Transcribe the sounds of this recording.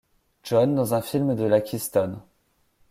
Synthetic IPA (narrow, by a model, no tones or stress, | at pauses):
ʒɔnd̪ɑ̃zɛ̃filmd̪əlakʲʰist̪ɔn